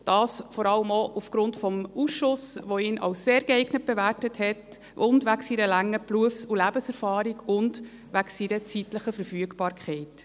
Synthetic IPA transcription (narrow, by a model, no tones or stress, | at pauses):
d̥ɑːsfɔɾɑləmoʔufɡ̥ɾʊntfɔmusʃʊsʋoinʔɑ̰ʊsːeːɾɡ̥ɛɪɡnət̚b̥eværtəthɛt | ʊndʋæksiɾəlæŋːəpluəfsulæbəsɛɾfɑːɾiɡʊnd | ʋæksiɾət͡sitləχəfəɾfyəɡbɑːɾkχɛɪt